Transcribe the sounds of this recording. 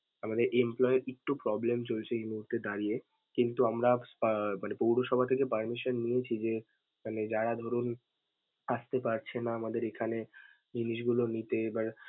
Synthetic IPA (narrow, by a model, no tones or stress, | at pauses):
amad̪eɾʔemplɔeɾek̚ʈupɾɔblemt͡ɕolt͡ɕʰeejmuɦuɾt̪ʰed̪aɾie | kint̪uamɾapmanepowɽoʃɔbʱat̪ʰekepəɾmiʃonːijet͡ɕʰid͡ʑe | maned͡ʑaɽad̪ʱoɾun | aʃt̪epaɾt͡ɕʰenaamad̪eɾekʰane | d͡ʑiniʃɡulonit̪ebaɾ